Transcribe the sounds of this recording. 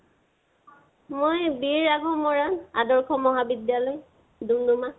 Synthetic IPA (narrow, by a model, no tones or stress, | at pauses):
mojbiɹaɡʱɔmɔɹanadɔɹkʰɔmɔɦabidjalɔj | dumduma